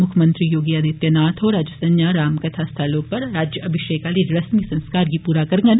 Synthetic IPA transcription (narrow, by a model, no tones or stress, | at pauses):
mʊkʰmə̃nt̪ɾijoːɡiaːd̪ɪt̪jɐnaːt̪ʰɦoɾaːd͡ʒəsɐnjaɾaːmkɐt̪ʰast̪ʰalõpɐɾɾaːd͡ʒjəɐbʱɪʃeːkaːliɾɐsmisɐ̃nskaːɾɡipuːɾakɐɾŋɡən